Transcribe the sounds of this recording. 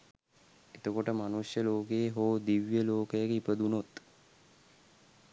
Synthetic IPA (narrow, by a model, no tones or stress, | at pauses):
et̪əkoʈəmanusjəloːkeːɦoːd̪iʋjəloːkəjəkeipəd̪unot̪